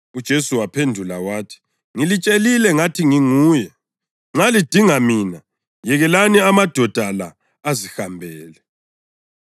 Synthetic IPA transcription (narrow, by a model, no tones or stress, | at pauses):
ud̥ʒ̥ʱesuwapʰendʱula̰waːtʰi̥ | ŋilit͡ʃʼelilɛŋatʰiŋiŋuːjɛ | ŋ͡ǁalid̥ʱiŋamiːna | jɛɣɛlaniamad̥ʱɔd̥ʱalaː | zixambʱɛːlɛ